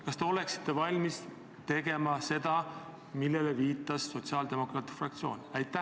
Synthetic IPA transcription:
kɑst̪e̞o̞le̞ksi̥t̪ːe̞vɑlʲmis | t̪e̞ɡ̥e̞mɑse̞d̪̥ɑ | milːe̞leviːt̪ːˑɑsːo̞t̪siɑːld̪e̞mo̞krɑːt̪i̥frɑk̚t̪sio̞ːnʲæjt̪ːˑæ

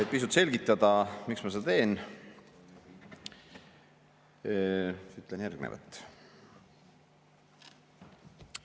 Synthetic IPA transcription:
et̪̚pis̬ut̪ːse̞lɡit̪ːˑɑd̪̥ɑmiksmɑsed̪ɑt̪e̞ːn | yt̪ːˑlenjærɡ̥nḛvɑ̰t̪ːˑ

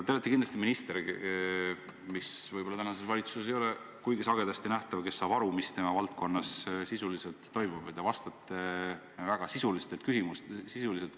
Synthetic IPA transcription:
t̪elːɑt̪ːˑikinlɑst̪iminist̪eɾ | misvɯjbo̞lɑt̪ænɑsesvɑlit̪suse̞s̬ejole | kujɡisɑɡe̞d̪ɑst̪inæht̪ɑvke̞sːɑːb̥ɑɾumist̪e̞mɑvɑlt̪̚kʰo̞nːɑssisuliselt̪ːo̞jmub̥ed̪evɑst̪ɑt̪ːˑe | væɡ̥ɑsisulist̪elt̪̚kysimustsisulise̞lt̪

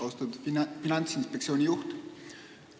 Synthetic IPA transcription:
ost̪ud̪finɑnt̪sinspekt̪sioːnʲijuxt̪

